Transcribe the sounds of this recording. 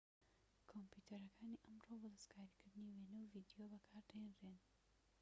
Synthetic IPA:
kʰompjuːt̪ʰɐɾɐkʰaːniʔɐmrobɔd̪ɐskaːɾikɨɾd̪ɨniwenɐwvid̪ijobɐkʰaːɾd̪ɐjenren

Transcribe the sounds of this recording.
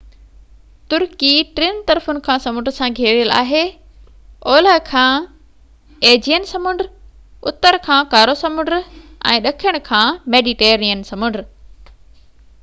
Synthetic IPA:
t̪ʊɾkiʈɾɪnt̪ɐɾfʊnɪ̆kʰãːsɐmʊ̃ɳɖɾsãɡʱeːɾjəla̰ːɦeː | oːləɦkʰãː | eːd͡ʑijənsɐmʊ̃ɳɖɾ | ʊt̪əɾkʰãːkaːɾosɐmʊ̃ɳɖɾɛ̰̃ːɗɐkʰiəɽ̃ʊ̆kʰãːmeːɖiʈeːɾiənsɐmʊ̃ɳɖɾ

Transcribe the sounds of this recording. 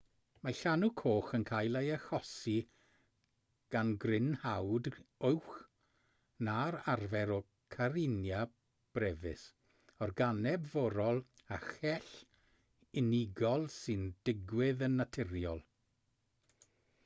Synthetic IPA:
maɬanukʰoːχənkʰaːjlˠejəxɔsi | ɡ̥anɡrɪnhawdʊwχ | naɾarvɛɾɔ | kʰaɾɪnja | b̥rɛvɪ̰s | ɔrɡanɛbvɔɾɔlˠ | axɛɬ | ɪnɪɡɔlˠsɨnd̥ɪɡwɪðənːatʰɪɾjɔlˠ

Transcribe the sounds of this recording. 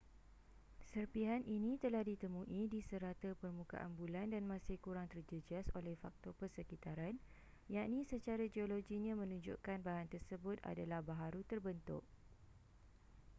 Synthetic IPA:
sərpiɦaninĩt̪əlahdit̪əmũʔidisəɾat̪əpərmũka̰ʔa̰nbulandanmãsɪhkuɾaŋt̪ərd͡ʒəd͡ʒiasolɛhfak̚t̪ɔpərsəkit̪aɾan | jaʔnĩsət͡ʃaɾad͡ʒioloɡiɲãmə̃nũɲd͡ʒʊ̰ʔkanbaɦant̪ərsəbʊt̪a̰dalahbaɦaɾut̪ərbənt̪ʊ̰ʔ

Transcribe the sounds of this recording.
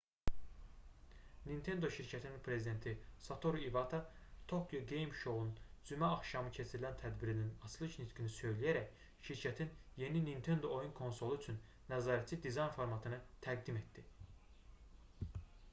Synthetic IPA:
nint̪ʰe̞nd̪o̞ʃiɾcʰæt̪ʰininpʰɾe̞zid̪e̞nt̪ʰisɑt̪ʰo̞ɾivɑt̪ʰɑ | t̪ʰo̞kʰjoɡe̞jmʃo̞wlˠund͡ʒymæɑxʃɑmɯcʰe̞t͡ʃʰiɾilænt̪ʰæd̪biɾininɑslˠɯʃnit̪kʰinisø̞jlijæɾæc | ʃiɾcʰæt̪ʰinje̞ninint̪ʰe̞nd̪o̞ojunkʰo̞nso̞lˠuyt͡ʃʰynːæzɑːɾæt̪t͡ʃʰid̪izɑjnfoɾmɑt̪ʰɯnɯt̪ʰæɡ̚d̪ime̞t̪d̪i

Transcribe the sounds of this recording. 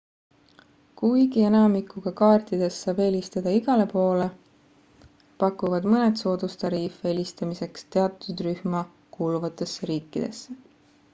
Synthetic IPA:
kujɡ̥ie̞nɑmikːuɡ̥ɑkɑːrt̪id̪̥e̞sːɑːbe̞lʲist̪ɑd̪̥ɑiɡ̥ɑle̞po̞ːle̞ | pɑkːˑuvɑd̪mɤned̪so̞ːd̪̥ust̪ɑɾiːfe̞lʲist̪ɑmise̞kst̪e̞ɑt̪ːˑud̪ryhmɑ | kuːluvɑt̪ːˑe̞sːeɾiːkːid̪̥e̞sːe

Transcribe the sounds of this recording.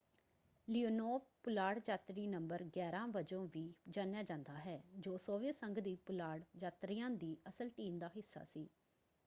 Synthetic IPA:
lioːnoːpʊlaːɽd͡ʒaːt̪ɾiːnəmbəɾɡɛːɾãːbəd͡ʒõːʋiːd͡ʒãːnjaːd͡ʒãːnd̪aːɦɛːd͡ʒoːsoːʋiəsəŋɡd̪iːpʊlaːɽd͡ʒaːt̪ɾiːãːd̪iːəsəlʈiːmd̪aːɦɪsːa̰ːsiː

